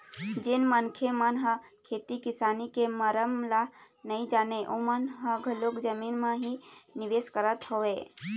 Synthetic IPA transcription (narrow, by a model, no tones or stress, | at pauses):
d͡ʒɪnmənkʰemənɦə̃kʰeːt̪ikɪsaːnikeməɾəmla | nəĩd͡ʒaːneʔomənɦəɡʱəlokd͡ʒəminmãɦinɪʋeskəɾət̪ɦoe